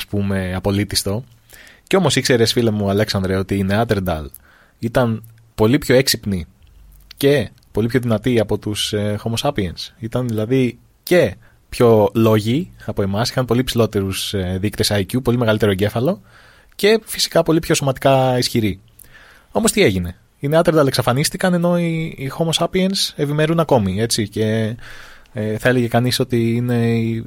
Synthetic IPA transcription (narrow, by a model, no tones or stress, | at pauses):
ɐspume̞ɐpo̞lit̪ist̪o̞ | ceo̞mo̞sikse̞ɾe̞sfilemuɐle̞ksɐnd̪ɾeo̞t̪iine̞ɐt̪e̞ɾd̪ɐ̰l | it̪ɐn | po̞lipço̞eksipni | ce̞ | po̞lipço̞ðinɐt̪iɐpo̞t̪usexo̞mo̞sɐpiensit̪ɐnðilɐði | ce̞ | pço̞lo̞ʝiɐpo̞e̞mɐsixɐnpo̞lipsilo̞t̪e̞ɾuseðikt̪e̞sɐjcupo̞lime̞ɣɐlit̪e̞ɾoɟe̞fɐlo̞ | ce̞fi̥si̥kɐpo̞lipço̞so̞mɐt̪i̥kɐisçiɾi | o̞mo̞st̪ie̞ʝine̞ | ineɐt̪eɾd̪ɐle̞ksɐfɐnist̪ikɐne̞no̞iːxo̞mo̞sɐpiense̞pime̞ɾunɐko̞mie̞t͡sice̞ | eθɐe̞leʝe̞kɐniso̞t̪iine̞